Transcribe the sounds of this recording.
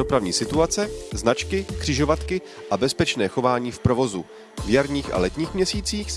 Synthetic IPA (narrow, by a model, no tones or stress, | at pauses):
o̞pɾavɲḭːsɪt̪uat͡sɛznat͡ʃkɪkr̥ɪʒo̞vat̪kɪ | ʔabɛspɛt͡ʃnɛːxo̞vaːɲiːfpɾo̞vo̞zu | vjaɾɲiːxʔa̰lɛt̪ɲiːxmɲɛsiːt͡siːx